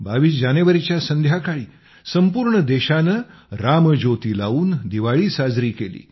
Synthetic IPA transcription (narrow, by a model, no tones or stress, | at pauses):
baʋiːsd͡ʑaneʋəɾit͡ɕjasənd̪ʱjakaɭiː | səmpuːɾɳəd̪eɕanəɾaməd͡ʑot̪iːla̰uːnd̪iʋaɭiːsad͡zɾiːkelḭː